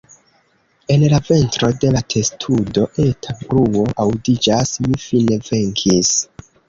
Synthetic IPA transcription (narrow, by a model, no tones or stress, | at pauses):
e̞nlave̞ntɾo̞de̞latʰe̞stʰudo̞ʔe̞tʰabɾuo̞ʔawdid͡ʒasmifine̞ve̞ŋkʰis